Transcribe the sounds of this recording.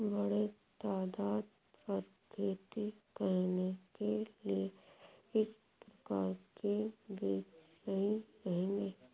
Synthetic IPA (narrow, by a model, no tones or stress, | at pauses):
bɐɽet̪aːd̪aːd̪pɐɾkʰeːt̪ikəɾnekelieɪspɾɐkaːɾkebiːnəɦĩɾɐɦẽːŋɡeː